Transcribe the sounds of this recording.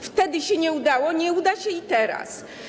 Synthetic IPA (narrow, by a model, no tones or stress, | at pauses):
ft̪ɛd̪ɘɕɛɲɛud̪awɔɲɛud̪aɕɛit̪ɛɾa̰s